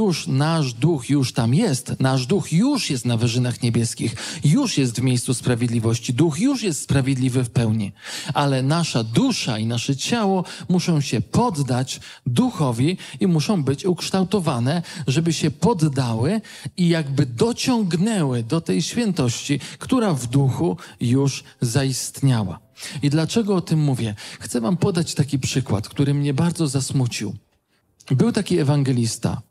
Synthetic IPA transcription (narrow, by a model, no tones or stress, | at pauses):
juʂnaʐd̪uxjuʂt̪amjɛst̪naʐd̪uxjuʂjɛst̪navɘʐɘnaxɲɛbʲjɛskʲixjuʂjɛst̪vmʲejst̪suspɾavʲjed̪lʲivɔɕt͡ɕid̪uxjuʂjɛst̪spɾavʲjed̪lʲivɘfpɛwɲiʔalɛnaʂad̪uʂainaʂɛt͡ɕawɔmuʂɔ̃w̃ɕɛpɔd̪ːat͡ɕ | d̪uxɔvʲiimuʂɔ̃w̃bɘt͡ɕukʂt̪awt̪ɔvanɛʐɛbɘɕɛpɔd̪ːawɘ | ijaɡbɘd̪ɔt͡ɕɔŋɡnɛwɘd̪ɔt̪ɛjɕfʲjɛnt̪ɔɕt͡ɕikt̪uɾavd̪uxujuʂ | zaist̪ɲawa̰id̪lat͡ʂɛɡɔɔt̪ɘmːuvʲjɛxt̪sɛvampɔd̪at͡ɕt̪akʲipʂɘkwa̰t̪kt̪uɾɘmɲɛbaɾd̪zɔzasmut͡ɕiw | bɘwt̪akʲiɛvaŋɡɛlʲist̪a̰